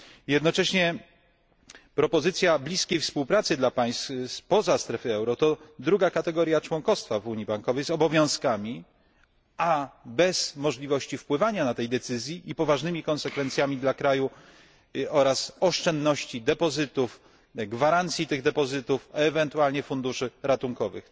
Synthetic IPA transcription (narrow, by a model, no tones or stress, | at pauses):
jɛd̪nɔt͡ʂɛɕɲɛ | pɾɔpɔzɘt̪sʲjablʲiskʲejfspuwpɾat̪sɘd̪lapaj̃sspɔzast̪ɾɛfɘɛwɾɔt̪ɔd̪ɾuɡakat̪ɛɡɔɾjat͡ʂwɔŋkɔst̪favuɲibaŋkɔvɛjzɔbɔvʲjɔ̃w̃skamʲi | abɛz̥mɔʐlʲivɔɕt͡ɕifpwɘvaɲanat̪ɛjd̪ɛt̪sɘzʲjiʔipɔvaʐnɘmʲikɔ̃nsɛkfɛnt̪sʲjamʲid̪lakɾaju | ɔɾasɔʂt͡ʂɛnd̪nɔɕt͡ɕid̪ɛpɔzɘt̪uf | ɡvaɾant̪sʲjit̪ɘɣd̪ɛpɔzɘt̪ufɛɛvɛnt̪ualɲɛfund̪uʂɘɾat̪uŋkɔvɘ̰x